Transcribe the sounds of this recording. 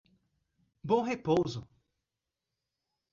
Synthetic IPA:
bõw̃ɦepowzʊ

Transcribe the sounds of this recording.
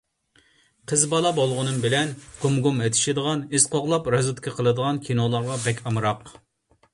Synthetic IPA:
qʰəzbɑlˠɑbolˠʁʊnɨmbɪlɛnɡ̥umɡumet̪ʰɪ̥ʃid̪əʁɑnisqoʁlˠɑpɾɑzut̪kʲʰɪqʰəlˠɨd̪əʁɑnkʲʰinolˠɑɾʁɑbɛkʲɑmɾɑq

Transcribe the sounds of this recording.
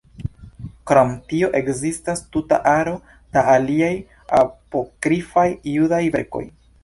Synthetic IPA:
kɾomtio̞ʔe̞kzistastuta̰ʔaɾo̞ | d̥aːliaj | a̰po̞kɾifajːudajveɾko̞̰j

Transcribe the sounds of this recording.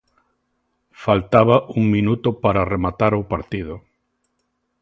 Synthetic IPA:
falt̪aβaʔuŋmĩnut̪ʊpaɾaremat̪aɾowpaɾt̪iðʊ

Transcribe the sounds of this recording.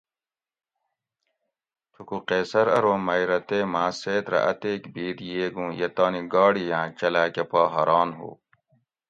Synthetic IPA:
tʰukuqeːsɐɾɐɾoːmɐiɾɐt̪eːmãːseːt̪ɾɐ̰ʔɐt̪eːkbiːd̪jeːɡũːjet̪aːniɡaːɽijãːt͡ɕɐlaːkepaːɦɐɾaːnɦṵː

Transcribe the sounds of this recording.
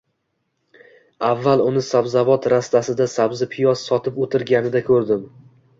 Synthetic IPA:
avːalʊnɪsabzavɒt̪ɾast̪asɪd̪asabzɪpʰɪjɒssɒt̪ʰɪpot̪ʰɪɾɡʲanɪd̪akʰɵɾd̪ɪm

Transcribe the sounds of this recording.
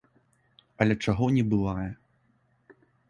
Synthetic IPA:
ɐlʲɛt͡ʂaɣɔnʲɛbɨvajɛ

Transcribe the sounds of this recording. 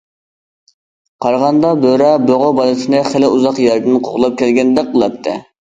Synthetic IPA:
qʰɑɾʁɑnd̪ɑbøɾɑbøʁobɑlˠɨt̪ɨnɨχælɪuzɑqjæɾd̪ɪnqʰoʁlˠɑp̚kʲʰɛlɡʲɛnd̪ɛk̚qːəlˠɑp̚t̪ʰːɨ̰

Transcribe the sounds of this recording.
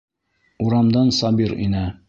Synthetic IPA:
uɾɑmd̪ɑnsɑbiɾḭnæ

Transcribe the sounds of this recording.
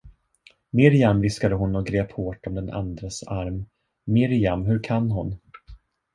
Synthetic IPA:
mɪɾjamvɪskad̪əɦʊnɔɡɾeːphoːʈɔmd̪ɛnʔa̰nd̪ɾasaɾmː | ɪɾjamɦɵɾkʰanːɦʊn

